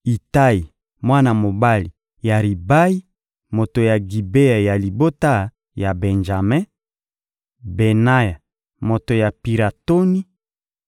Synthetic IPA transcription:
i˨ta˦i˨ | mwa˦na˨mo˨ba˦li˨ | ja˨ʁi˨ba˦i˦ | mo˨to˨ja˨ɡi˨be˦a˨ja˨li˨bo˦ta˦ | ja˨bɛ˨nʒa˨mɛ̃˦ | be˨na˦ja˨ | mo˨to˨ja˨pi˨ʁa˨to˦ni˦

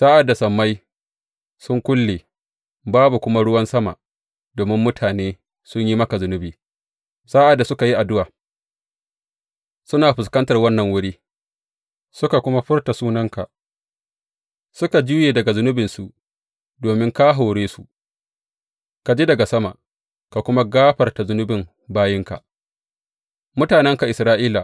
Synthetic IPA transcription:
sa˦ʔa˨dːa˨sɐ˨mːa˦j | sʊ˦ŋkʷʊ˦lːeː˨ | baː˦bu˨kʷʊ˦ma˦ɽʊ˦wɐ˦nsɐ˦ma̰˨ | doː˨mɪ˦mːʊ˦tʰaː˨neː˦ | sʊ˦ɲji˦mɐ˦ka˨zʊ˦nʊ˦biː˨ | sa˦ʔa˨dːa˨sʊ˦ka˨ji˦ʔa˨dʊ˦waː˨ | sʊ˦naː˨ɸʊ˨skɐ˦ntɐ˨rwɐ˦nːɐ˨ŋwʊ˦ɽiː˦ | sʊ˦ka˨kʷʊ˦ma˦ɸɪ˦rta˨suː˦nɐ˦ŋka˨ʔ | sʊ˦ka˨d͡ʒu˦jeː˨dɐ˨ɡa˨zʊ˦nʊ˦bɪ˨nsu˨ | doː˨mɪ˦ŋka˦ɦa˨ɽeː˦su˨ | ka˨d͡ʒeː˦dɐ˨ɡa˨sɐ˦ma̰˨ʔ | ka˨kʷʊ˦ma˦ɡaː˦ɸɐ˨rta˨zʊ˦nʊ˦bɪ˨m | baː˦jɪ˦ŋka̰˨ʔ | mʊ˦taː˨nɛ˦ŋka˨ʔɪ˨sɾaː˦ʔiː˦la˨

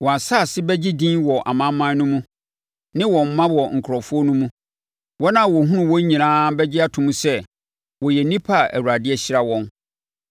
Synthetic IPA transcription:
wɔ˨a˨sa˦˨sɪ˦bɛ˦d͡ʑi˦dĩ˦nwɔ˨ʔa̰˨mã˦mːã˦n˦nʊ̃˦mũ˦ | nɪ̃˦wɔ̃˨m̩˦mːã˦wɔ˨ŋ̩˨kʰʊ˨ɾɔ˨fʊ˦ɔ˦nũ˦mũ˦ | wɔ˦nã˦˨wɔ˨ɦũ˦ɾʊ̃˨wɔ̃˦ɲĩ˨nãː˦bɛ˦d͡ʑɪ˦a˦tʰʊ̃˨˦mũ˦sɛ˦ | wɔ˨jɛ˨nĩ˦pʰa˦˨æ̰˨wu˨ɾa˨dɪ˦ɛ˦ɕɪ˦ɾa˦wɔ̃˦n

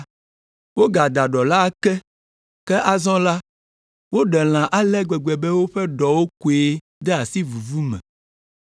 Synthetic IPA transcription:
wo˦ɡa˨d̪a˨ɖɔ˨la˦kɛ˦ | kɛ˦ʔa˦zɔ̃˦la˦ | wo˦ɖɛ˨l̃ã˨ʔa˦lɛ˦ɡ͡bɛ˨ɡ͡bɛ˨bɛ˦wo˦ɸɛ˦ɖɔ˨wo˦ku˨e˦ | d̪ɛ˦a˨si˦vu˨vu˦mɛ̰̃˨

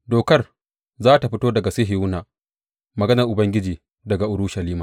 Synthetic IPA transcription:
doː˨kɐ˦r | zaː˦ta˨ɸɪ˦toː˦dɐ˨ɡa˨se˦ɦɪ˨ʊ˦naː˨ | mɐ˨ɡɐ˦nɐ˨rʔʊ˨bɐ˦ŋɡʲɪ˦d͡ʒiː˨ | dɐ˨ɡa˨ʔʊ˨ɽʊ˦ʃɐ˨liː˦maː˨

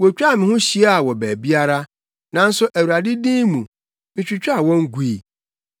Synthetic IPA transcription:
wo˨t͡ɕᶣa˦˨mɪ̃˨hʊ̃˦ɕi˦a˦a˨wɔ˨bæ˨bi˦a˦ɾa˦ | nã˨n̩˦sʊ˦ʔæ˨wu˨a˨dɪ˦dĩː˦mũ˨ | mɪ̃˨t͡ɕᶣi˨t͡ɕᶣa˦˨wɔ̃˦ŋ˦ɡu˨i˨

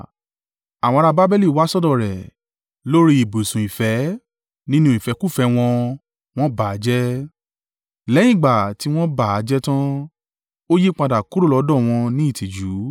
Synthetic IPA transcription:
a˨w̃ɔ̃˧ɾa˧ba˦bɛ˦li˦˨wa˦sɔ˦dɔ̃˦˨ɾɛ˨ | lo˦ɾi˧˦i˨bo˨sũ˨i˨fɛ˨˦ | nĩ˦nũ˦i˨fɛ˨˧˦ku˦˨fɛ˧w̃ɔ̃˧ | w̃ɔ̃˦ba˨a˨˦d͡ʒɛ˦ | lɛ̃˨˦ĩ˦˨ɡ͡ba˨ti˨˦w̃ɔ̃˦ba˦˨a˨˦d͡ʒɛ˦tã˦ | o˦ji˦k͡pa˧da˨ku˦ɾo˦˨lɔ˨˦dɔ̃˦˨w̃ɔ̃˧nĩ˦i˦˨tʰi˨d͡ʒu˨˦

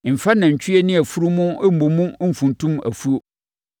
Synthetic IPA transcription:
m̩˨fa˦nã˨ɲ̩˨t͡ɕʰᶣy˦e˦nĩ˦æ˨fu˦ɾu˦mʊ̃˦m̩˦mõ˨mũ˦m̩˦fũ˨ntʰũ˦mæ̰˨fu˦o˨

